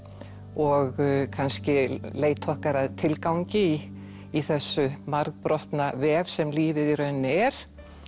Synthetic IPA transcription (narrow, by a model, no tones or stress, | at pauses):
ɔɣkʰanscɪleːjt̪ʰɔhkaɾaðt̪ʰɪlkawɲcɪi | iθɛsːʏmaɾkpɾɔht̪navɛvsɛmliːvɪðiɾœɥnːɪɛɾ̥